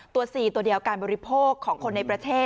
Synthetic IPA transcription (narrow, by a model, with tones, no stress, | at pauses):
t̪u˧ɐsiː˨˩t̪u˧˩ədi˧˩əwkaː˧nbɔː˧ɾi˦pʰoː˥˩kʰːɔː˩˦ŋkʰo˧nːa˧jpɾa˧t̪ʰeː˥˩